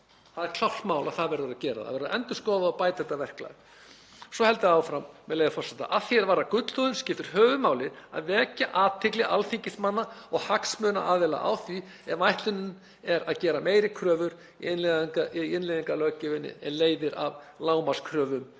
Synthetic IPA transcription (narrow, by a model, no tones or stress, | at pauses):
θaðɛɾ̥kʰl̥awht̪mawlaðθaðvɛɾðʏɾacɛːɾa̰ða̰vɛɾðaʔɛnt̪ʏskɔːwðaɔpaːjt̪ɛht̪avɛr̥kla̰ɣ | sɔhɛl̪t̪ʏaːwfɾamːɛðlejɣafɔrsɛt̪a̰ʔaðθjɛɾvaːɾakʏt̪l̥θɔðʏmscɪft̪ɪɾ̥ɦœːvʏmaːwlɪɾa̰ðvɛːcaʔaːt̪ʰːɪklɪalθiɲcɪst̪manːaɔɣhaksmœːna̰ʔaːðvɛla̰ʔa̰wθi | ɛmajht̪lʏnːʏn | ɛɾaðcɛːɾameːjɾɪkʰɾœːvʏɾ | nlŋaɪnleðiŋkalœcɪvɪnːɪ̰ɛ̰nleːjðɪɾa̰v | laːwmaskʰɾœːvʏm